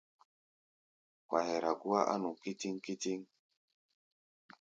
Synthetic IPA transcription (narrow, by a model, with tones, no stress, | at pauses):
kwa˨hɛ˨ɾa˨ɡu˦a˦ʔa̰˦nu˨ki˦ti˦ŋki˦ti˦ŋ